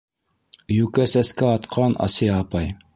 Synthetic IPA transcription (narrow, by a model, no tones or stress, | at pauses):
jʉkæsæskæɑt̪qʰɑnʔɑ̰siɑːpɑj